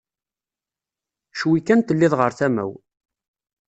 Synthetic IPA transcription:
ʃwikːænt̪əlːɪðʁəɾθæmæ̰w

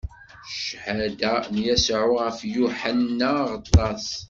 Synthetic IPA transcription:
ʃhæd̪ænjæsʕʊʁəfjuħanːaʁət̪ˤːɑs

